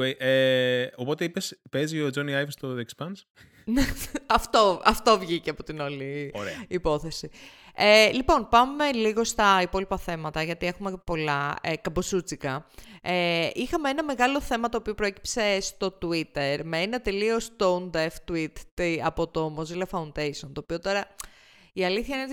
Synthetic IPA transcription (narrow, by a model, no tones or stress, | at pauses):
eʔeo̞po̞t̪eipespezio̞d͡ʒoniajvst̪oðekspɐns | neɐft̪o̞ɐft̪o̞vʝiceɐpo̞t̪inoliipo̞θe̞si | elipo̞npɐmːe̞liɣo̞st̪ɐipo̞lipɐθe̞mɐt̪ɐʝɐt̪ie̞xume̞po̞lɐekɐbosut͡sikɐeʔixɐmeenɐme̞ɣɐlo̞θe̞mɐt̪oːpio̞pɾoeci̥pse̞st̪o̞t̪uit̪e̞ɾmeenɐt̪elio̞st̪ound̪eft̪uit̪iɐpo̞t̪o̞mozilɐfɐund̪ejsio̞nt̪o̞ːpio̞t̪o̞ɾɐ | iɐliθçɐinn